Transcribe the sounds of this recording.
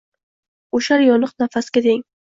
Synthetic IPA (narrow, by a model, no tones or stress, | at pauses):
oʃaɾjɒnɨqnafaskʲat̪eŋ